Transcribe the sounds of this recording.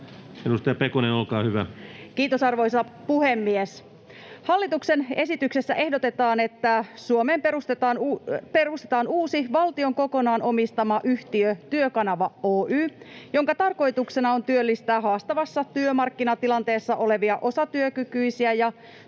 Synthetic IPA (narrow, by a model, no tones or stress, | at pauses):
edust̪ɑjɑpekonenolkɑːhyʋækiːt̪osɑrʋo̞jsɑpuhe̞mːies | hɑlːit̪ukse̞ne̞sit̪yksesːæ̰ʔe̞hdo̞t̪e̞t̪ɑːne̞t̪ːæsuomeːmperust̪et̪ɑːnperust̪et̪ɑːnuːsiʋɑlt̪io̞ŋko̞ko̞nɑːno̞mist̪ɑmɑʔyht̪iøt̪yøkɑnɑʋɑoːʔyːjo̞ŋkɑt̪ɑrko̞jt̪ukse̞nɑo̞nt̪yølːist̪æːɦɑːst̪ɑʋɑsːɑt̪yømɑrkːinɑt̪ilɑnt̪e̞ːsːɑʔo̞le̞ʋiɑʔo̞sɑt̪yøkykyisiæjɑ